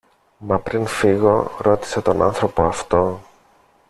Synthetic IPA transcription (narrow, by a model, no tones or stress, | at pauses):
mɐpɾinfiɣo̞ɾo̞t̪i̥set̪o̞nɐ̰nθɾo̞po̞ɐft̪o̞